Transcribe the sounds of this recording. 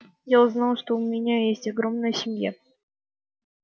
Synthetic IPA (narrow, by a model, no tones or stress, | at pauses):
jaʊznalˠʂt̪oʊmʲɪnʲajesʲtʲɐɡɾomnəjəsʲɪmja̰